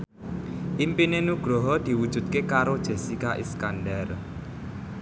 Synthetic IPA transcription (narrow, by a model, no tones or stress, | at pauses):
ʔimpinenuɡ̥ɾo̤ɦɔd̪̥i̤wud̥ʒ̥ṳt̪̚kekaɾod̥ʒ̥e̤sikaʔḭskandɛr